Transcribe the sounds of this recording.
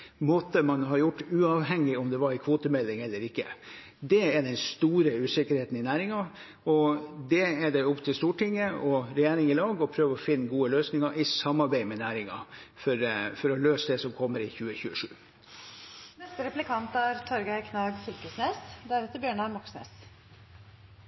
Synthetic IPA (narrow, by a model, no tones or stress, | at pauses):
moːt̪əmɑnɦɑɾjʊʈːʉːɑʋɦɛŋːɪɔmd̪ɛʋɑɾɪkʰʋoːt̪əmɛlːɪŋɛlːəɾɪkːə̰ | d̪ɛæd̪ɛnst̪uːɾəʉːsɪkəɾheːt̪n̩ɪnæːɾɪŋɑ | ɔd̪ɛɛd̪ɛʊpt̪ʰɪlst̪uːʈʰɪŋːəɔɾɛjeːɾɪŋɪlɑːɡɔpʰɾøːʋəɔfɪnːəɡuːəløːsnɪŋɑʔɪsɑmːɑɾbæɪmɛnæːɾɪŋɑ̰fɔɾfɔɾɔløːsəd̪ɛsɔmkʰɔmːəɾɪçʉːəçʉːəʂʉ̰ː | nɛst̪əɾɛplɪkʰɑnt̪æɾt̪ʰɔɾɡəɪkʰnɑːɡsyːkʉsneːsd̪æɾɛt̪ːəɾbjøːɳɑɾmɔksnḛːs